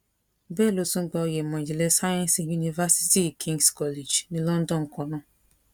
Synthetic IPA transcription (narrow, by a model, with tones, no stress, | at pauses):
bɛ˦˨lo˨˦sũ˦ɡ͡ba˨o˨je˨mã˨d͡ʒi˨le˦sa˦jɔ̃˦n˨si˨ju˦ni˨va˦si̥˦ti˦˨kʰĩ˦ŋɡskɔ˦le˨d͡ʒnĩ˦lɔ̃˦n̩˦dɔ̃˦˨ŋ̩˨kɔ˨nɔ̃˦